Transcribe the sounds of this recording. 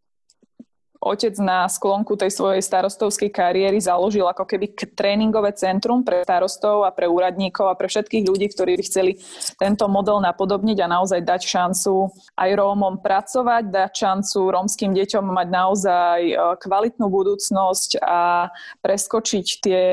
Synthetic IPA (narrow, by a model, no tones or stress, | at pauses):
ʔɔ̰cɛd͡znasklɔŋkut̪ɛjsʋɔjɛjst̪aɾɔst̪ɔʊskɛjkaɾiɛɾizalɔʒilakɔkɛbit̪ɾɛːniŋɡɔʋɛːt͡sɛnt̪ɾumpɾɛst̪aɾɔst̪ɔʊapɾɛuːɾad̪ɲiːkɔʊapɾɛfʃɛt̪kiːɣʎuɟiːkt̪ɔɾiːbixt͡sɛlit̪ɛnt̪ɔmɔd̪ɛlnapɔd̪ɔbɲiɟanaɔzajd̪acʃant͡su | ʔajɾɔːmɔmpɾat͡sɔʋaɟd̪acʃant͡suɾɔmskiːmɟɛcɔmːaɟnaɔzajkʋalit̪nuːbud̪uːt͡snɔscapɾɛskɔt͡ʃict̪ɪɛ